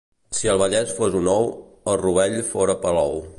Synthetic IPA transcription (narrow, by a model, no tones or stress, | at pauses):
siəlˠβ̞əʎɛsfozunɔw | əlˠruβ̞ɛʎfoɾəpəlɔw